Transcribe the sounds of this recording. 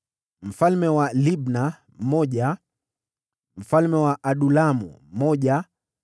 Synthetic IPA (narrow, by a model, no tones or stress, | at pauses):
m̩falmɛwalibna | m̩mɔʄa | m̩falmɛwaʔaɗulamṵm̩mɔʄa